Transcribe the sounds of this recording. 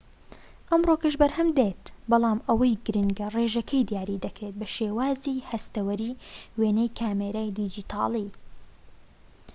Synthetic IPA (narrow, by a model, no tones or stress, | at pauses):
ʔɐmroːkɐʃbɐɾhɐmd̪et̪bɑlˠɑːmʔɐwɐjɡɨɾɨŋɡɐreːʒɐkʰɐjd̪jaːɾiːd̪ɐkɾeːt̪̚bɐʃeːwaːziːhɐst̪ɐwɐɾiːweːnɛjkʰaːmeːɾaːjd̪id͡ʒiːt̪ʰɑ̰ːlˠi